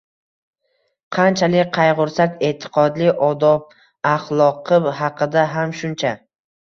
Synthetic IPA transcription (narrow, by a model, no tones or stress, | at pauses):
qʰɑnt͡ʃʰalɪk̚ʲqʰɑjʁʊɾsakʲe̞t̪ʰːɪ̥qʰɒd̪lɪʔɒd̪ɒb̚ | aχlˠɒqʰɨhɑqʰɨd̪aɦamʃʊnt͡ʃʰa